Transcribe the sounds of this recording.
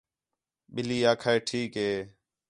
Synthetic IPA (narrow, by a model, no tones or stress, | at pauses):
ɓɪliːaːkʰaːeːʈʰiːkɦeː